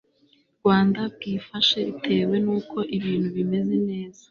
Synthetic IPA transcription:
ɾɡwaːndab̚ɡiːfaʃeitʰe̞ːwe̞nuːkʰo̞ʔiβiːn̤huβime̞ze̞ne̞ːza

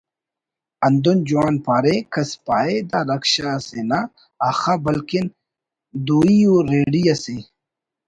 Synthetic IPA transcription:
ɐnd̪und͡ʑuwaːnpaːɾekɐspaːed̪aɾɐkɕasenaː | xabɐlkin | d̪uːiuɾeːɖijɐse

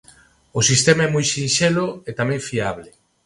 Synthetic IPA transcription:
osist̪emaɛmojʃinʃeloet̪amɛ̃ɱfiaβle

